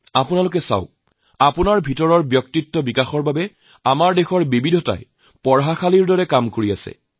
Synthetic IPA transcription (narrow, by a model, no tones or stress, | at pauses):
apunalʊk̬ɛsa̰ʊ̃ | apunaɹbʱitɔɹɔɹbjɔk̚titːɔbikaxɔɹbabɛ | amaɹdexɔɹbibidʱɔta̰j | pɔɹɦaxʰaliɹdɔɹɛkamkoɹia̰sɛ̰